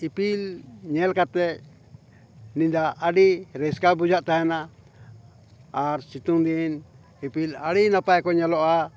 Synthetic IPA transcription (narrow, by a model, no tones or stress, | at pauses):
ipilɲelkat̪e | nĩnd̪aːɽiɾɛskabud͡ʒaʔt̪ahena | ɾsit̪und̪in | ipilaɾinãpaɛkoɲaloʔa